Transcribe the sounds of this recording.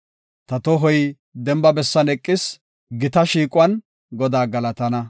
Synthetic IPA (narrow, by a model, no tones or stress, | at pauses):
t̪ɐt̪ɔɦɔj | d̪ɛmbɐbɛsːɐnɛkʼːɪs | ɡɪt̪ɐʃiːkʼwɐn | ɡɔd̪aːɡɐlɐt̪ɐnɐ